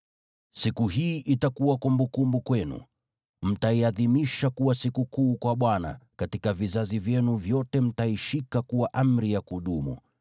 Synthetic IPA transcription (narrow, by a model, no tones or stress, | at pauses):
sikuɦiːʔitakuwakɔmbukumbukwɛnṵ | m̩taiaðimiʃakuwasikukuːkwaɓwana̰katikavizazivjɛnuvjɔtɛm̩taiʃikakuwaʔam̩ɾijakuɗumṵ